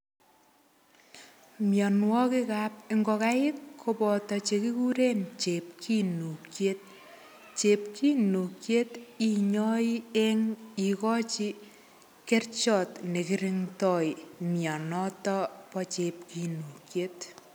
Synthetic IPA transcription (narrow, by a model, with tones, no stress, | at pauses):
mjɔ˨nwɔ˦ki˦kapɪŋɡɔ˧ka˦ɪ˦kkʰːopɔ˨tɔ˨t͡ʃe˧ki˦ku˦ɾe˦nt͡ʃe˨p̚kʰi˦nu˨kjet̚ | t͡ʃe˨p̚kʰi˦nu˨kje˦ti˦ɲɔ˦i˦e˦ŋi˨kɔ˦t͡ʃi˦ | ke˦rt͡ʃɔ˨tne˨kiɾi˦ŋtɔjmjɔ˨nɔ˦tɔ˦pɔt͡ʃep̚ki˨nu˨kjet